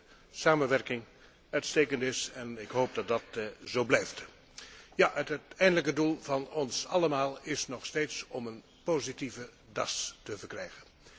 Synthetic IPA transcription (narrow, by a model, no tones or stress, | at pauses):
saːmənʋɛɹkɪŋ | œɥtsteːkəntɪsɛnɪkɦowp̚dɑt̚dɑtzowblɛjft | jaʔəttɛjndələkədulˠvɑnɔnsɑləmaːlˠɪsnɔχsteːtsɔmən | poːzitivə | dɑstəvəɹkrɛjχən